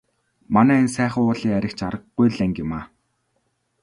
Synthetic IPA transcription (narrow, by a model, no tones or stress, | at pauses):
manæːens̬æːχə̆ʊːɮiːŋæɾʲɪ̆kt͡ɕaɾə̆qːujɮæŋɡʲɪmaː